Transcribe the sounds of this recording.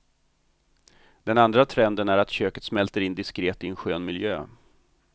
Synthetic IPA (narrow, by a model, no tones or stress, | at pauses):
d̪̥ɛnand̪ɾat̪ʰɾɛnd̪ənæɾat̪ɕøːkə̥t̪smɛlt̪əɾɪnd̪ɪskɾeːt̪ɪɛnɧøːnmɪljø̰ː